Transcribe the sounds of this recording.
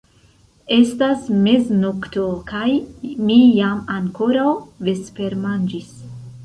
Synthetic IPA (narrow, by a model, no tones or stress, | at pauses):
e̞stasme̞znoktokajmijamaŋko̞ɾawve̞spe̞ɾmand͡ʒis